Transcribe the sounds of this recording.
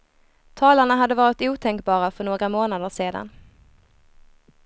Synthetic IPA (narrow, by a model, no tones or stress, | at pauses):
t̪ʰɑːlaɳaɦad̪ːəvɑːɾɪt̪uːt̪ʰɛŋkbɑːɾafœɳoːɡɾamoːnad̪əʂeːd̪a̰n